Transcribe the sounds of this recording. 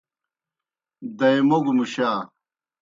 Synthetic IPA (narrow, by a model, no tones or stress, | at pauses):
d̪ɐjmoɡmuɕaː